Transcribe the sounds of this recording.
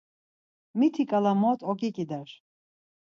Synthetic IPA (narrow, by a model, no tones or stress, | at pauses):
mit̪ʰikʼalamɔt̪ʰʼɔkʼikʼid̪ɛɾ